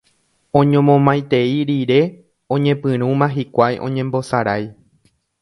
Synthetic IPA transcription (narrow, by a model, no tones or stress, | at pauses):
õ̞ɲõmõmãjt̪e̞iɾiɾe̞ | õ̞ɲẽ̞pɨ̃ɾ̃ũmãɦikʷajʔõ̞ɲẽ̞mbo̞saɾaj